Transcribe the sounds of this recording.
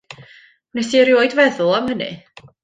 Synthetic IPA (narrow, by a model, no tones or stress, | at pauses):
nɛsiɾjoːɨdvɛðʊlˠamhənɨ̰